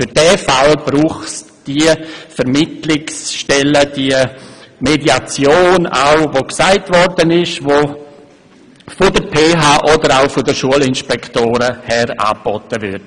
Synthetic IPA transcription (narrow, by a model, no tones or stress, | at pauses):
fyɾd̥ɛːfalb̥ɾuːχs | d̥iəfəɾmɪtlɪksʃtɛləd̥iəmediat͡sjoːna̰ʊvoksaɪtvɔɾdənɪʃʋo | fodəɾpʰeːɦaːʔɔdəɾaʊfʊdəʃuəlɪnʃpɛkʰtoːɾəhɛɾa̰ːbɔtəvʏd